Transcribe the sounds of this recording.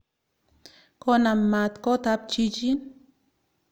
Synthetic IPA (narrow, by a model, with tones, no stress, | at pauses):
ko˦na˨mːa˨t̪ko˦t̪a˦p̚t͡ʃi˦d͡ʒi˦n